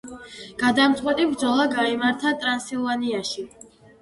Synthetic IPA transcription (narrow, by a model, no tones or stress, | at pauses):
ɡ̥ad̪amt̪sʼqʼwɛt̪ʼibɾd̪zɔlˠaɡaimaɾt̪ʰat̪ʼɾansilˠvaniaʃi